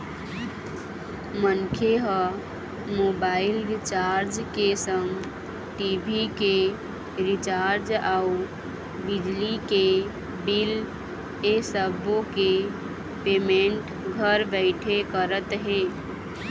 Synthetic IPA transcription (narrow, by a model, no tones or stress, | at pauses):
mənkʰeɦə | moːbaːɪlɾɪt͡ʃaːɾd͡ʒkesəŋɡ | ʈibʱike | ɾɪt͡ʃaːɾd͡ʒaːu | bɪd͡ʒlike | bil | esəbõke | pemeɳʈ | ɡʱəɾbəɪʈʰekəɾət̪ɦeː